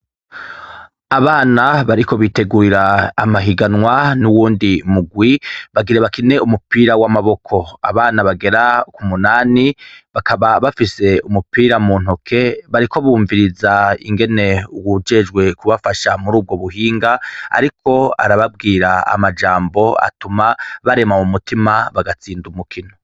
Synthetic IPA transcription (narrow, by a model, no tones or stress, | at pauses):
aβaːnaβaɾiko̞βite̞ɡuːɾiɾaːmaɦiɡanwanuwuːndimuɡwiβaɡiɾeβakine̞umupiːɾawamaβo̞kʰo̞a̰βaːnaβaɡe̞ɾakumunaːniβakaβaβafise̞umupiːɾamuːn̥okʰe̞βaɾikʰo̞βuːɱviɾizaḭŋɡe̞ne̞uwud͡ʒe̞d͡ʒɡwe̞kuβafaʃamuɾuːb̚ɡo̞βuɦiːŋɡaa̰ɾikʰo̞a̰ɾaβab̚ɡiːɾaa̰mad͡ʒaːmbo̞a̰tumaβaɾe̞mamumutʰimaβaɡat͡siːndumukʰino